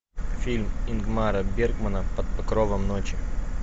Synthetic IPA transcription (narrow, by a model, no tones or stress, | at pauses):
fʲilʲmɪnɡmaɾəbʲerɡmənəpɐt̪̚pɐkɾovəmnot͡ɕɪ